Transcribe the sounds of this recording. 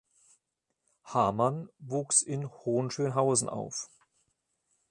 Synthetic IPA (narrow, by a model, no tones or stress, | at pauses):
haɐmanvuːksɪnhoːnʃøːnɦaʊzn̩ʔa̰ʊf